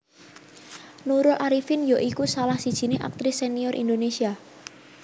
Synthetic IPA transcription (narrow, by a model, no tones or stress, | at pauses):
nuɾʊlʔaɾifɪnjɔʔikusalahsid̥ʒ̥i̤neʔa̰k̚t̪ɾɪsːeniɔɾʔḭnd̪onesia